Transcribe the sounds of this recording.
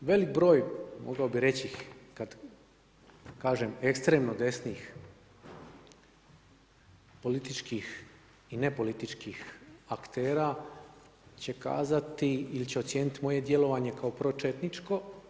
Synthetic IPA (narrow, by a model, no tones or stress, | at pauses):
ʋe̞lik̚bɾo̞ːjmʔo̰ɡaobiɾe̞t͡ɕikad̪ | kaːʒeme̞kst̪ɾe̞ːmnod̪e̞sniːx | po̞lit̪it͡ʃkix | ine̞po̞lit̪it͡ʃkixakt̪eːɾaː | t͡ɕe̞ka̰ːzat̪iilit͡ɕeot̪sjeːnit̪imo̞je̞d̪je̞lo̞ʋaɲe̞kao̞pɾo̞t͡ʃet̪nit͡ʃko̞